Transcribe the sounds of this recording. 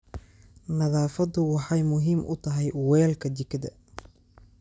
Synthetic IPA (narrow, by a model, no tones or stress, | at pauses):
nɐðaːfɐd̪ʊwɑħɑjmʊɦiːmʔʊ̰t̪ʰɐɦɛjwɛːlkʰɐd̪ɪkʰːɐd̪ɐ̰